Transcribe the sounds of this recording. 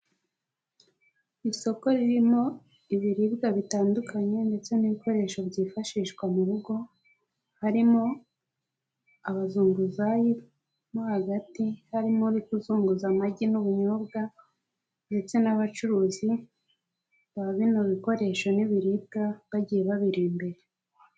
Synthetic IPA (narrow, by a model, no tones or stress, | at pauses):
iso̞ko̞ɾiɾimo̞ | iβiɾibɡaβitaːndukʰaɲe̞nde̞t͡se̞niβiko̞ɾe̞ːʃo̞bɟiːfaʃiːʃɡwamuɾuɡo̞ | haɾimo̞ | aβazuːŋɡuzaji | mohaɡatihaɾimoɾikuzuːŋɡuzamaɟinuβuɲobɡa | nde̞t͡se̞naβat͡ʃuɾuːzi | βaβinoβiko̞ɾe̞ʃo̞niβiɾiːb̚ɡaβaɟijeβaβiɾiːmbe̞ɾe